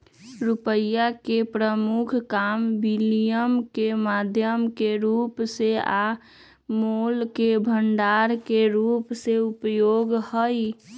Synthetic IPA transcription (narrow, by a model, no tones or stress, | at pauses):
ɾupəjakepɾəmukʰkambilijəmkemad̪ʱjəmkeɾupsea | molkebʱəɳɖaɾkeɾupseupjoɡhəj